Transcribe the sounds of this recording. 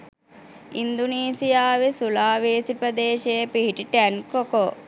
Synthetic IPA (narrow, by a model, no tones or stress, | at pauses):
ind̪uniːsijaːʋesulaːʋeːsipɾəd̪eːʃejepiɦiʈiʈænkoko